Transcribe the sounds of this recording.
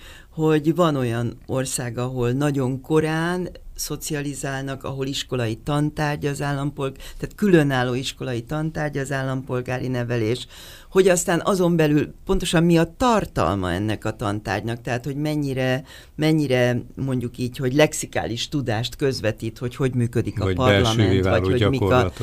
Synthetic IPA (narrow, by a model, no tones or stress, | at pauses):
ho̞ɟvɒno̞jɒno̞rsaːɡɒɦo̞lnɒɟo̞ŋko̞ɾaːnso̞t̪siɒlizaːlnɒkɒ̰ɦo̞liʃko̞lɒjit̪ɒnt̪aːrɟɒːzaːlːɒmpo̞lɡt̪aːt̪kylø̞naːlːoːiʃko̞lɒit̪ɒnt̪aːrɟɒːzaːlːɒmpo̞lɡaːɾinɛvɛleːʃ | ho̞ɟɒst̪aːnʔɒzo̞mbɛlylpo̞nt̪o̞ʃɒmmiɒt̪ɒrt̪ɒ̰lmɒ̰ɛ̰nːɛkɒt̪ɒ̰nt̪a̰ːrɟnɒk̚t̪ɛɦaːt̪ho̞ɟmɛɲːiɾɛ | mɛɲːiɾɛmo̞ɲɟukiːɟho̞ɟlɛksika̰ːliʃt̪ud̪aːʃt̪kø̞zʋɛt̪iːt̪ho̞cho̞ɟmyːkø̞d̪ikkɒpɒɛrlɒmɛneavɒoɟmi